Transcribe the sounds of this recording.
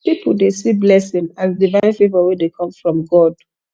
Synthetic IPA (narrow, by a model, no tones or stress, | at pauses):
pipʰl̩ˠdesiblɛsɪ̃ŋazdivãɪ̃nfevəwedekʰɔ̃ɱfɹɔ̃mɡɔd̥